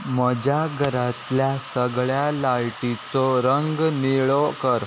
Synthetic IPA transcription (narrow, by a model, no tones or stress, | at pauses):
məd͡ʑaɡʱəɾat̪ljasəɡɭjalaɭʈit͡sɔɾəŋɡniɭɔkəɾ